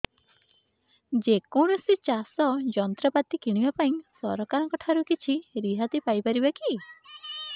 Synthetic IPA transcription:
d͡ʒekɔɽ̃ɔsit͡ʃasɔd͡ʒɔnt̪ɾɔpat̪ikiɽ̃ibapaĩsɔ̰ɾɔkaɾɔŋkɔʈʰaɾukit͡ʃʰiɾiɦat̪ipajpaɾibaki

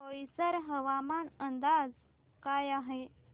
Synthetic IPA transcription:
əjisəɾɦəʋamanənd̪ad͡z | kajaɦe

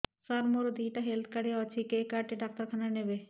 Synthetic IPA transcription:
saɾmoɾod̪ʱiʈaɦelt̪ʰkɐɽeɔt͡ʃʰikekaʈiɖaːk̚t̪ɐɾkʰananebe

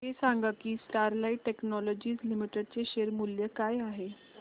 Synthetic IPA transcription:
ɦesaŋɡakiːsʈaɾlaiʈːeknɔlɔd͡ʑiːzlimiʈəɖ̚t͡seɕeɾmuljəkajaɦe

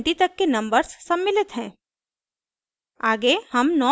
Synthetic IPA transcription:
ʈit̪ɐkːenɐ̃mbəɾsːɐmːɪlɪt̪ɦɛ̃ː | aːɡehɐmnɔː

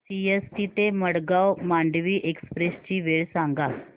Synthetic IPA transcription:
siestit̪eməɽɡawmaɳɖʋiːʔekspɾest͡ɕiːʋeɭsaŋɡa

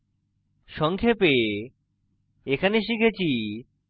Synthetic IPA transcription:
ʃɔŋkʰepe | ekʰaneʃikʰet͡ɕʰi

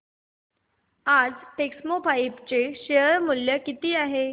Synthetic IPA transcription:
ad͡zʈeksmobaipt͡seɕeɦəɾmuljəkit̪iːaɦe

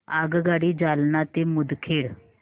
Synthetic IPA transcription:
aɡɡaɽiːd͡zalnat̪emud̪kʰeɽ

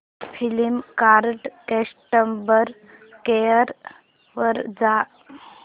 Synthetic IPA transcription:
pʰilimkaːɾɖkesʈəmbəɾ | keəɾ | ʋəɾd͡ʒaː

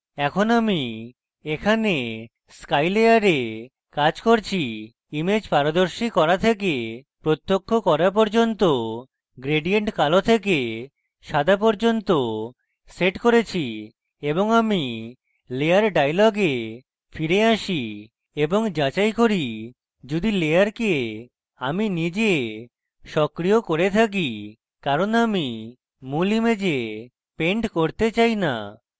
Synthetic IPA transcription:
ɛkʰonami | ekʰane | skajleaɾe | kad͡ʑkoɾt͡ɕʰi | imed͡ʑpaɾod̪oɾʃikɔɾat̪ʰek̬epɾot̪ːokʰːokɔɾap̬ɔɾd͡ʑont̪o | ɡɾeɖieɳʈkalot̪ʰeke | ʃad̪ʱap̬ɔɾd͡ʑont̪o | seʈkoɾet͡ɕʰi | eboŋami | lejaɾɖajlɔɡe | fʰiɾeaʃi | eboŋd͡ʒat͡ʃajkoɾi | d͡ʒud̪ilejaɾke | aminid͡ʑe | ʃɔkɾiokoɾet̪ʰak̬i | kaɾonami | mulimed͡ʑe | peɳʈkoɾt̪et͡ɕajna̰

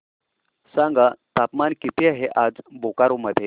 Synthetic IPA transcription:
sãŋɡat̪apmankit̪ʰeaɦeʔad͡zbokaɾoməd̪ʱːje

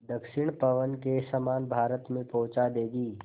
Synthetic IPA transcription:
d̪əkʃɪɳ̃pɐʋənkesəmaːnbʱaːɾət̪mẽpɔːt͡ʃad̪eːɡiː

